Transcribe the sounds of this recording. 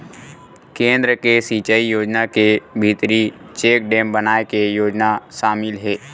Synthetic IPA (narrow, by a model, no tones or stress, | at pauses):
kẽːnd̪ɾəkesiːt͡ʃəijoːd͡ʒnakebʱit̪ɾit͡ʃeːk̚ɖẽːmbənaːekejoːd͡ʒnaʃaːmɪlɦɛː